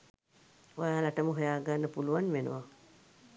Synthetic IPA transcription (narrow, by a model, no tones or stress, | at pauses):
ojaːlaʈəməɦojaːɡanːəpuluwanʋenə̰wa